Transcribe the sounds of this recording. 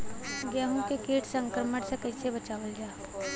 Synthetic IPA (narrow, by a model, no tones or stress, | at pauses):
ɡjaːɦõkekeːʈʰsɐ̃ŋkɾəməʈsekɐɪsebət͡ʃaːʋəld͡ʒaː